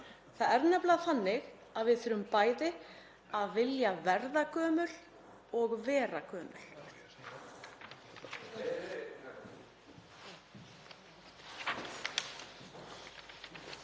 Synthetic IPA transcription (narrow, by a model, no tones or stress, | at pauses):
θaðɛɾnɛplaðθanːɪɣ | aðvɪðθʏːɾʏmpaːjtɪ | aðvɪljavɛɾðakœːmʏl | ɔɣvɛːɾakœːmʏ̰l̥